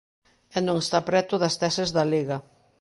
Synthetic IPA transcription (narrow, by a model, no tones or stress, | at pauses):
ɛnõŋest̪apɾɛt̪ʊðɐst̪ɛsezðɐleɣɐ